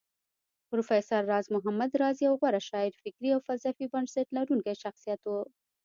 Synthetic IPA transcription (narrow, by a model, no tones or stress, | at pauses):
pɾofesaɾːɑzmʊɦamad̪ɾɑziawɣwaɾaʃɑɪɾfɪkɾiawfalsafibaɳɖsaʈlaɾuŋkajʃaxsijɑt̪wo